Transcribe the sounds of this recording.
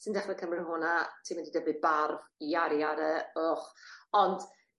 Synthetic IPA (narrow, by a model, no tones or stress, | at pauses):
sɨndɛχnɛkʰəmrɪɦʊnatʰiːmɪndidəbɨðbarviaɾiaɾɛoχɔnd̥